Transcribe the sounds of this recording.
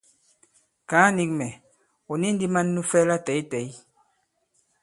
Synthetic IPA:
ka˨˦ni˨k̚mɛ˨ | o˨ni˦n˦di˦ma˦nː˦u˦fɛ˦la˦tɛ˨i˦tɛ˨˦i˦

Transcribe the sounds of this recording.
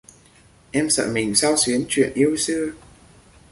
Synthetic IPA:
ʔɛ˧msə̰ː˧˨˩mï˨˩ŋ̟sa˧wsi˨˦ənt͡ɕwḭ˧˨ənʔi˧əwsɨ˧ə

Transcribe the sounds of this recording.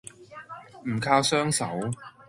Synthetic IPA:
m̩˨˩kʰaː˧wsœː˥ŋsɐ̰˨˥w

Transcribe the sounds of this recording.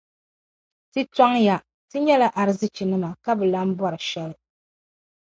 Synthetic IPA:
tɨ˦ta˦ŋja˨ | tɨ˦ɲɛ˦la˨ʔa˨ɾɨ˦zɨ˦t͡ʃi˨nɨ˦ma˨ka˦bɨ˨la˦m̩˦bwɔ˦ɾɨ˨ʃɛ˦lɨ˨

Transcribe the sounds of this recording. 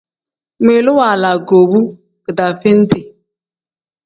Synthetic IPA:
me˨lʊ˦wa˨la˨ɡo˨wu˦ | ɡ̥ə˨da˨fe˦n̩˦tɪ˨

